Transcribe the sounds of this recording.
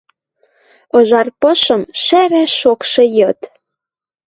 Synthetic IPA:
ɤ̆ʒɑrpɤ̆ʃɤ̆mʃæɾæʃʃokʃĕjɤt̪

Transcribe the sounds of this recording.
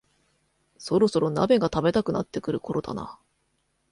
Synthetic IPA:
so̞ɾo̞so̞ɾo̞na̰be̞ɡat̪abe̞t̪akɯ̟nat̪ːe̞kɯ̟ɾɯ̟ko̞ɾo̞d̪a̰na̰

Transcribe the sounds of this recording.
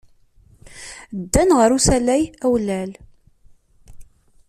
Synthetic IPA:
d̪ːænʁəɾusælæjæwlæl

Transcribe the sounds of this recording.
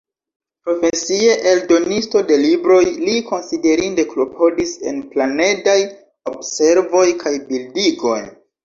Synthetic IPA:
pɾo̞fe̞sie̞ʔeldo̞nisto̞de̞libɾo̞jliko̞nside̞ɾinde̞klo̞pʰo̞dise̞̰nplane̞daj | obse̞ɾvo̞jkʰajbildiɡo̞j

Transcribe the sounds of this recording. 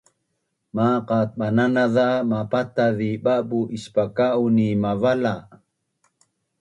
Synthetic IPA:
maqat̪̚ɓananaðamapat̪aðiɓabuʔispakaʔunimavala

